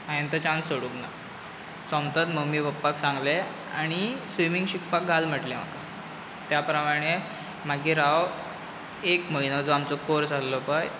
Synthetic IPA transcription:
ajənt̪ət͡ɕãnsoɽukna | sɔ̃mt̪ət̪məmːiʋəpːaksãŋɡle | a̰ɽ̃isʋimiŋɡɕikpak̚ɡʱalm̤əʈlem̤a̰ka | t̪japɾəmaɽ̃e | m̤aɡiɾaʋ | ekməɦinəd͡zoamt͡sɔkoɾsallɔpaj

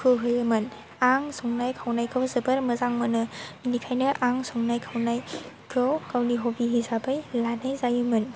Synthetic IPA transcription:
kʰɯɦɯjɯmɯn | aŋsɔŋnajkʰawnajkʰɯwzɯbɐɾmɐzaŋmɯnɯinikʰajnɯʔaŋsɔŋnajkʰawnaj | kʰɯwkawniɦobiɦizabajlanajzajɯmɯn

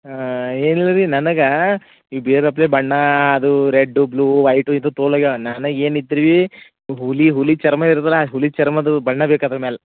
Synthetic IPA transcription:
aeːnilːɐɾinɐnɐɡɐ | ibiɾɐpːleːbɐɳːɐːd̪uɾeɖːubluːʋɐjʈuint̪ut̪oːlɐɡanɐnɐeːnid̪iɾiʋi | ɦuliɦulit͡ʃɐɾmɐiɾt̪ɐlaɦulit͡ʃɐɾmɐd̪ubɐɳːɐbeːkɐt̪ɾɐmeːlɐ

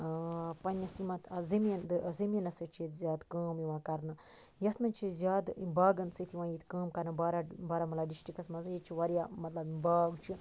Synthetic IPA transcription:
pɐnɐsimɐt̪ʰɐzimind̪ɨzimʲinɐsɐt͡ʃʰit̪zʲaːd̪kaːmjiʋãːkɐɾnɨ | jɐt̪ʰmɐnʲt͡ʃʰizʲjaːd̪baːɡɐnsɨt̪ʰiʋãːjit̪ʰkaːmkɐɾnɨbaːɾabaːɾaːmɐlabɖiʃʈikɐsmɐnzɨjit͡ʃʰiʋɐɾjaːmɐt̪lɐbibaːɡt͡ʃʰi

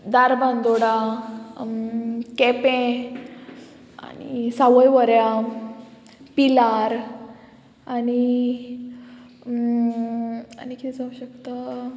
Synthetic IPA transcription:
d̪aɾbʱãnd̪oɽa | kɛpɛ̃ | a̰nḭsaʋəjʋəɾja | pilaɾ | ani | anikʰid͡zauɕəkt̪a

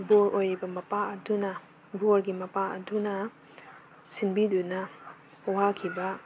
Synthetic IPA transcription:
boɾojɾibɐmɐpaɐdunɐ | boɾɡimɐpaɐ̰dunɐ | sinbidunɐ | wakʰibɐ

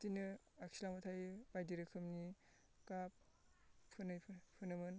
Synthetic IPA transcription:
tinɯ | aksilamɯtʰajbajdiɾɯkʰɯmni | kap̚ | pʰɯnɯjpʰpʰɯnɯmɯn

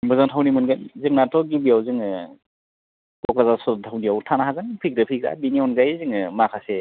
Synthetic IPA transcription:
bɯzaŋtʰawnimɯnɡanzɯŋnatʰɔɡibiawzɯŋɯ | kɔklazasɔdtʰawniawtʰanaɦaɡɯnpʰik̚dɯpʰik̚ɾa̰biniɔnɡajziŋɯmakʰase

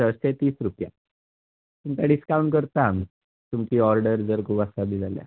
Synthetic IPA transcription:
ət̪et̪iːsɾupja̰ | t̪umkaɽiskauɳʈkəɾt̪ami | t̪umkiːɔɾɖəɾd͡zəɾkʰuːbasabiːd͡zalja̰

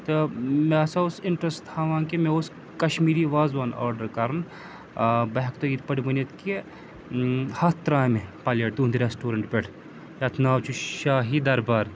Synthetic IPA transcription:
t̪ɨmesaʊsɪɳʈɾɐst̪ʰaːʋãːnkemeos | kɐʃmiːɾiːʋaːzʋaːna̰ːɾɖɐɾkaɾɐn | bɐɦɐkt̪oit̪pɐɽʲibɐnɐt̪ke | hɐt̪ɾaːjmepaːleːʈ̚d̪uːnd̪ɾesʈuːɾɐɳʈpʲeʈʰ | jat̪ʰnaːʋt͡ʃʰuʃaːɦid̪ɐɾbaːɾ

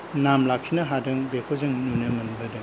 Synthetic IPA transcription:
namlak̚ʰinɐɦadɯŋbekʰozɯŋnunɯmɐnbɐdɯŋ

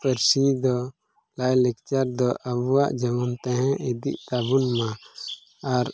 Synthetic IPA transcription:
pəɾsid̪ɔ | lajlɛk̚t͡ʃaɾd̪ɔʔabuwa̰ʔd͡ʒəmunt̪ɛ̃ɦɛ̃id̪ḭʔt̪abunmãː | ɾ

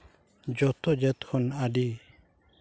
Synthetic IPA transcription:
d͡ʒɔt̪ɔd͡ʒɛt̪kʰɔnaɖi

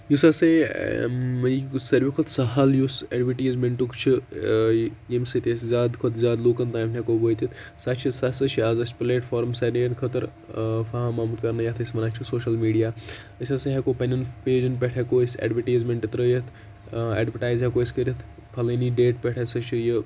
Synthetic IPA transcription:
jusase | mɐjsɐɾʋikʰot̪ʰsɐɦaljuseɖʋɐʈiːzmeɳʈukt͡ʃʰi | emsit̪eszʲaːd̪kʰot̪ʰzʲaːd̪loːkɐnt̪aːjmnʲekobojt̪it̪ʰsat͡ʃʰisasɐt͡ʃʰiaːzɐspleːʈfʰoːɾmsɐɾnejnkʰɐt̪ɐɾ | pʰaɦãmaːmut̪kɐɾnɐjɐt̪ʰəsmɐnat͡ʃʰisoːʃɐlmiːɖijaː | əsaseɦekopɐnɐnpeːd͡ʒɐnpɛʈʰekosɛ̰ːɖʋɐʈijzmeɳʈit̪ɾəjɐt̪ʰ | ḛːɖʋɐɾʈaːjzɦekoːskəɾʲɐt̪ʰ | pʰɐlɐniɖeːʈ̚pʲɛʈʰesɐt͡ʃʰijə

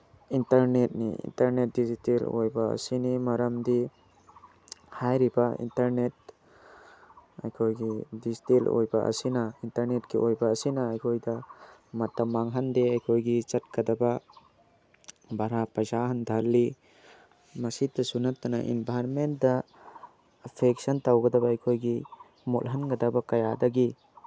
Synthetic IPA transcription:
intɐɾnet̚nḭḭntɐɾnet̚dizitelo̰jbaɐ̰sinimɐɾɐmd̪i | hajɾibaḭntaɾnet̚ | a̰jkʰojɡidizitelo̰jbaʔɐ̰sinaintɐɾnet̚kiʔojbaːsinaːjkʰojdɐmɐt̪ːɐmaŋɦɐndeɐjkʰojɡit͡ʃɐt̚kɐdaba | bʱaɾapɐzaɦɐndʱɐlːi | mɐsit̪ːɐsunɐt̪ːɐnɐ̰ʔḭnbʱajɾment̚dɐ | pʰeksɐntawɡɐdɐbaɐjkʰojɡi | mo̰lɦɐnɡɐd̪abɐkɐjadɐɡi

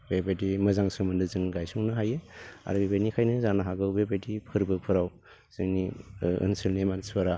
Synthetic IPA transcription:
bebadimɯzaŋsɯmɯndɯzɯŋɡajsuŋnɯɦajea̰ɾɯbebanikʰajnɯzanaɦaɡɯwbebadipʰɯɾbɯpʰɯɾaw | z̥ɯŋniɯ̰nsɯlnemanswaɾa

